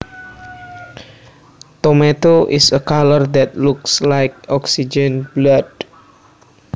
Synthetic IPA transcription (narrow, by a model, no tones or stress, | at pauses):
t̪omet̪oʔisəkalərd̪ɛt̪̚lukslajk̚ɔksid͡ʒə̃nblad̥̚